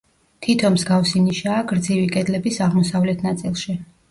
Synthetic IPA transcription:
t̪ʰit̪ʰɔmzɡafsiniʃaːɡɾd̪zivikʼɛd̪lɛbisaʁmɔsavlɛt̪ʰnat̪sʼilˠʃi

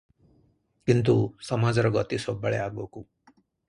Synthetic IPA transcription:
kint̪̬usʌmad͡zɾɔɡʌt̪isobːəɭeaɡoku

